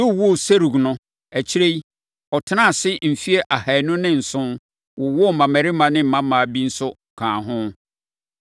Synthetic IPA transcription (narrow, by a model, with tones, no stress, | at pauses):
ʊ˦˨wɔ˦˨se˦ɾu˨ɡnʊ̃˦ | æ˨t͡ɕʰi˦ɾe˦i˦ | ɔ˨tʰɪ˦nã˦˨sɪ˦m̩˨fi˦e˦ʔa˨ha˨nʊ̃˦nɪ̃˦n̩˨sʊ̃˦n | wʊ˨˦wɔ˦˨mã˨mæ˨ɾɪ˦mã˨nɪ̃˦m̩˨mã˦mã˨bi˦n̩˦sʊ˦˨kʰãː˨ɦʊ̃˦